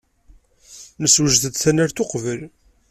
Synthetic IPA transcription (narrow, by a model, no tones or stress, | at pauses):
nəswəʒθəd̪θænæɾθoqvəl